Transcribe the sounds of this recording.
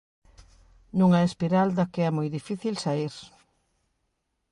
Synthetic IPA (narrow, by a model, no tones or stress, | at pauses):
nũŋaespiɾald̪akeɛmojðifiθilsaiɾ